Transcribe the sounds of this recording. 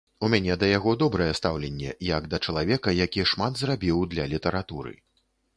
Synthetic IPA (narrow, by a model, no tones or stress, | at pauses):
umʲanʲɛd̪ɐjaɣɔd̪ɔbɾɐjɛst̪awlʲɛnʲːɛ̰jɐɡd̪ɐt͡ʂɐlˠavʲɛkɐjakʲiʂmad̪zrabʲiwd̪lʲɐlʲit̪ɛɾat̪uɾɨ̰